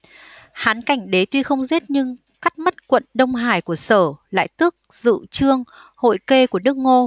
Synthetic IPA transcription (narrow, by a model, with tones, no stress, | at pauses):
haː˨˦nka˧˩jŋ̟ɗe˨˦t̪wi˧xə˧wŋ͡mze˦˥t̚ɲɨ˧ŋ | ka˦˥k̚mə˦˥t̚kwə̰˧˨nɗə˧wŋ͡mɦaː˧˩jku˧˩əsəː˧˩la̰ː˧˨jt̪ɨ˦˥ək̚z̥ɨ̰˧˨t͡ɕɨ˧əŋ | ho̰˧˨jke˧ku˧˩ənɨ˦˥ək̚ŋo˧